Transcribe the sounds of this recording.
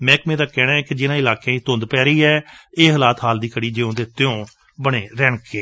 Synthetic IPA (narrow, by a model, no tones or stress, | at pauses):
mɛ̃ːkmẽːd̪aːkɛːnãːɛːkɪd͡ʒɪnãːɪlaːkẽiːt̪ʊ̃nd̪pɛːɾəiːɛːeːɦəlaːt̪ɦaːld̪iːkʰəɽiːd͡ʒeːõːd̪eːt̪ɪõː | bəɽeːɾɛːɳkʰeː